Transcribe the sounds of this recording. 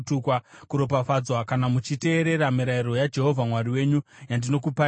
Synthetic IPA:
tukwakuɾo̞pafad͡zwakanamut͡ʃite̞ːɾe̞ɾamiɾaiɾo̞jad͡ʒe̞ɦo̞vʱamwariwe̞ːɲujandino̞kupa

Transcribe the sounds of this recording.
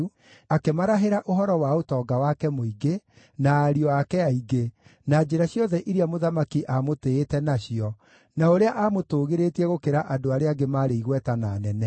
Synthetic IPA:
u | akemaɾaɦeɾaʔoɦɔɾɔwaotɔːɡawakɛmoiɡe | naːɾiɔakɛaiɡenad͡ʒeɾaɕjɔðɛʔiɾiamoðamakiʔamoteːtɛnaɕiɔ | naoɾeaʔamotoːɣeɾetiɛɣokeɾaʔadoaɾeaɡemaːɾeiɣwɛtanaːnɛnɛ

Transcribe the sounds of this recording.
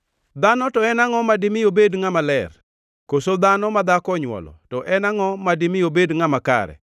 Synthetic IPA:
d̪anɔtɔɛnaŋɔmadɪmɪjobedŋamalɛr | kosod̪anɔmad̪akɔɲwɔ̰lɔ̰tɔʔɛnaŋɔmadɪmɪjobedŋamaka̰ɾɛ̰

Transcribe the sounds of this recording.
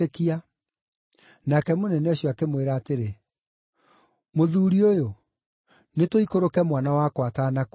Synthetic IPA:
ekia | nakɛmonɛnɛoɕjɔakemweɾaːteɾe | moðuɾiojo | netoikoɾokɛmwanawakwatanak

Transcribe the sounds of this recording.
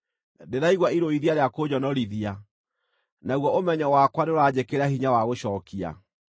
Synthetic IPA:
deɾaiɣwaiɾoiðiaɾeakod͡ʑɔnɔɾiðia | naɣwɔomɛɲɔwakwaneoɾad͡ʑekeɾahiɲawaɣoɕɔːkia̰

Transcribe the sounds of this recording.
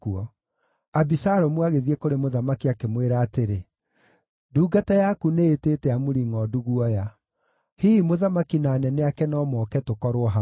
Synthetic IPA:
uɔ | abisaɾɔmwaɣeðiekoɾemoðamakiakemweɾaːteɾe | duːɡatajakuneːteːtɛamoɾiŋɔduɣwɔja | hiːmoðamakinaːnɛnɛakɛnɔmɔːkɛtokɔɾoɔɦa

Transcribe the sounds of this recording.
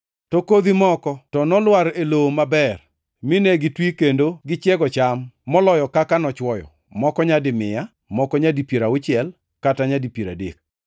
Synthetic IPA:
tokod̪imɔkɔtɔnɔlwaɾelomabɛr | mɪnɛɡɪtwikendoɡɪt͡ʃjɛɡɔt͡ʃamːɔlɔjɔkakanɔt͡ʃwɔjɔ̰ | mɔkɔɲadɪmɪja | mɔkɔɲadipeɾaʊt͡ʃɪɛl | kataɲadipiɾa̰dḛk̚

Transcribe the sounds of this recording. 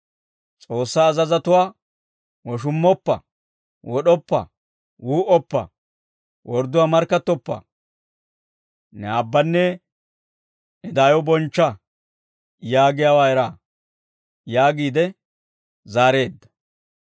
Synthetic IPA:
t͡sʼo̞ːsːaːzɐzɐt̪ʊwaː | wɔʃ̬ʊmːɔpːɐ̰ | wɔɗɔpːɐ̰ | wuːʔɔpːɐ̰ | wɔɾd̪ʊwaːmɐɾkːɐt̪ːɔpːɐ̰ | nɛabːɐnːɛ | ɛd̪aːjɔbɔnt͡ʃːɐ | jaːɡɪjaːwaːɛɾaː | jaːɡiːd̪ɛ | zaːɾe̞ːd̪ːɐ̥

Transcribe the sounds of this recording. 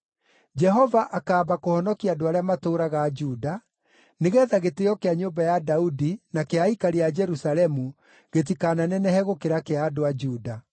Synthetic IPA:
d͡ʒɛɦɔvaʔakaːbakohɔnɔkiadoaɾeamatoːɾaɣad͡ʒuda | neɣɛðaɣetejɔkeaɲoːmbajadaudinakeaikaɾead͡ʒɛɾusalɛmu | ɣet̬ikaːnanɛnɛhɛɣokeɾakeadoad͡ʒuːda

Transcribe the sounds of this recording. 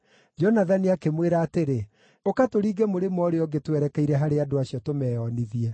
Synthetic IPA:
d͡ʒɔnaðaniakemweɾaːteɾe | okatoɾiːɡɛmoɾemɔɾeɔɡetwɛɾɛkɛiɾɛɦaɾeadoaɕiɔtomɛɔniðiɛ

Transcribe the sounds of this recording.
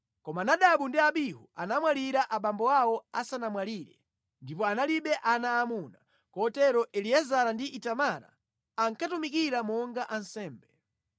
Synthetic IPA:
kɔmanaɗaɓundiaɓiɦuanamwaɾiɾaʔaɓambɔawɔasanamwaɾiɾɛ̰ | ndipɔanaliɓɛʔanaːmuna | kɔtɛɾɔʔɛliɛzaɾandiʔitamaɾa̰ː | ŋkatumikiɾamɔŋɡaʔansɛːmbɛ

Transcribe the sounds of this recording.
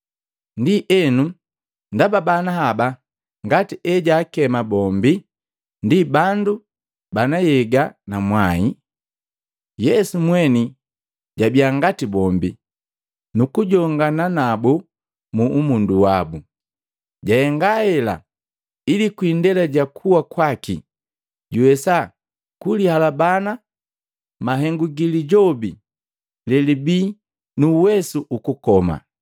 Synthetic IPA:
ndiʔɛnu | ndababanaɦaba | ŋɡatiʔɛɟaːkɛmabɔmbi | ndibandu | banajɛɡanamwai | jɛsumwɛni | ɟabiaŋɡatibɔmbi | nukuɟɔŋɡananabu | muʔːmunduwabu | ɟahɛŋɡahɛla̰ | ilikwindɛlaɟakʰuwakwakḭ | ɟuwɛsa | kulihalabana | maɦɛŋɡuɡiliɟɔbi | lɛlibiː | nuːwɛsuʔukukɔma̰

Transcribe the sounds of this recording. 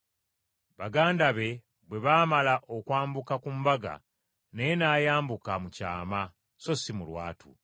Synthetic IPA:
βaɡaːndaβe̞ | bwe̞βaːmalaʔo̞kwaːmbukakumbaɡa̰ | nejenaːjaːmbukamuca̰ːma | so̞simulwa̰ːtʰṵ

